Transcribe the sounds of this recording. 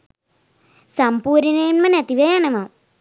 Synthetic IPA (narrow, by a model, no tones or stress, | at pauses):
sɐmpuːɾinɐjunmɐnet̪iʋɐjanemam